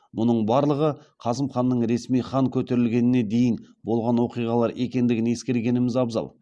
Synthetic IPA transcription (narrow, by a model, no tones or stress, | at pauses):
mʊnəɴbɑɾlˠəʁəqʰɑzəmχɑnːəɴɾe̞smijχɑŋkʲʰɵt̪e̞ɾɪlɡʲe̞nɪne̞d̪e̞jɪnbo̞lˠʁɑnwo̞qijʁɑlˠɑɾe̞kʲe̞nd̪ɪɡʲɪne̞skʲe̞ɾɡʲe̞nɪmɪzɑbzɑ̰lˠ